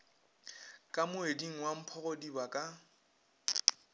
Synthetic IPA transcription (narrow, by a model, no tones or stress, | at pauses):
kʼamʊediŋ̩wam̩pʰɔɣodibakʼa